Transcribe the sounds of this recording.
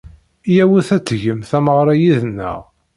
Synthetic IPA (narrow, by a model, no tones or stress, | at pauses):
jæwiθæt͡sːʝəmθæməʁɾˤɑjiðənːə̰ʁ